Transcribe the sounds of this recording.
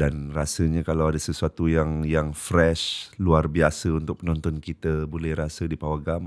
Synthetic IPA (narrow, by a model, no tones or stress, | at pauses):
danrasəɲãkalawadasəsuat̪ujaŋjaŋfɾɛʃluarbiasəunt̪ʊk̚pənɔnt̪ɔnkit̪əbolɛhrasədipawaɡam